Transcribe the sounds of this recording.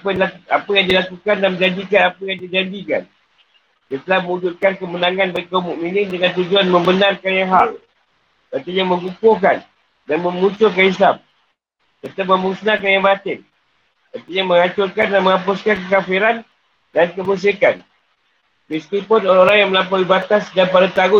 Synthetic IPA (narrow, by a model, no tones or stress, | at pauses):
apaapajaŋdilakukandanmə̃d͡ʒand͡ʒikanapajaŋdid͡ʒand͡ʒika̰n | sət̪əlahmə̃ud͡ʒut̪̚kankəmənaŋanbəɾkaumũʔminɪndəŋãnt̪ud͡ʒuanmə̃mbənarkanjaŋɦal | kət̪iɲamə̃ŋɡukokan | danmə̃mũt͡ʃʊkanislam | t | t̪ət̪ap̚məmuŋsnak̬anjaŋbat̪ɪŋ | kət̪iɲamə̃ŋat͡ʃʊrkandamə̃ŋãp̬ʊskankəkafiɾan | dankəbəs̬ekan | bist̪ipʊnoɾaoɾaŋjaŋməlapawibat̪asdanpadat̪aɡʊ